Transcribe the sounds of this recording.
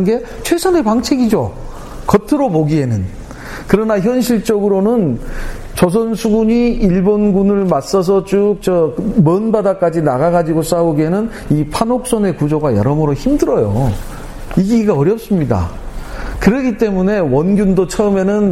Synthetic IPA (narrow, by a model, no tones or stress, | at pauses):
nɡe̞ | t͡ɕʰwe̞sʰʌne̞paŋt͡ɕʰeɡid͡ʑo | kʌtʰɯɾopoɡiɦe̞nɯn | kɯɾʌnaçjʌnɕʰiɭt͡ɕ͈ʌɡɯɾonɯn | t͡ɕʌs̬ʰʌnsʰuɡuɲiiɭbonɡunɯɭmas͈ʌs̬ʰʌt͡ɕuk̚t͡ɕʌmʌnbadak͈ad͡ʑinaɡaɡad͡ʑiɡos͈aoɡenɯn | ipʰanok̚s͈ʌne̞kud͡ʑoɡajʌ̰ɾʌmɯɾoçimdɯɾʌjo̰ | iɡiɡaʌɾjʌp̚s͈ɯmɲida̰ | kɯɾʌɡit͈e̞mune̞wʌnɡjundot͡ɕʰʌɯme̞nɯn